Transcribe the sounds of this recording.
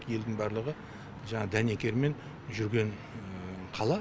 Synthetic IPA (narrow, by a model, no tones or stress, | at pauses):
kje̞ld̪ɪŋbɑɾlˠəʁə | ʒɑɴɑd̪æne̞kʲe̞ɾme̞n | ʒʏɾɡʲe̞ɴ | qʰɑlˠɑ